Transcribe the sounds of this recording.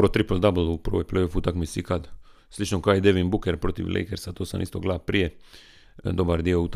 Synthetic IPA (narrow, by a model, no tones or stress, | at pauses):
ɾot̪ɾipld̪abl̩upəɾʋo̰jplejofut̪akmisikad̪ | slit͡ʃnokaːjd̪eʋimbukeɾpɾot̪ḭʋlʔḛjkeɾsat̪oːsa̰nʔist̪oɡlapɾije | d̪obaɾd̪iout̪